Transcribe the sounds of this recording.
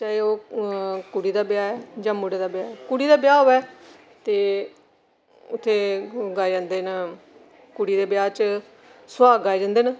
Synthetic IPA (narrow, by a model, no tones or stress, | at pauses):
t͡ʃaːeoː | kuɽiːd̪aːbjaːɛːd͡ʒãːmuɽeːd̪aːbjaːɛːkuɽiːd̪aːbɪjaːoːɛː | t̪eː | ʊt̪ʰːeːɡaːed͡ʒãːnd̪eːn | kuɽiːd̪eːbɪjaːt͡ʃ | sʊwaːɡaːed͡ʒãːnd̪eːnə